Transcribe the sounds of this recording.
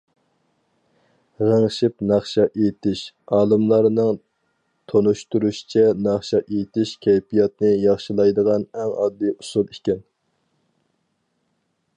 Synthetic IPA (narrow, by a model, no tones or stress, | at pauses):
ʁəŋʃipnɑχʃɑʔet̪ʰɪʃ | ɑːlˠɨmlˠɑɾnɨŋ | t̪ʰonuʃt̪uɾuʃi̥t͡ʃʰɛnɑχʃɑʔejt̪ʰɪʃkʲʰɛjpʰijɑt̪̚nɨjɑχʃilˠɑjd̪əʁɑnɛŋɑd̪ːɨjusulˠikʲɛn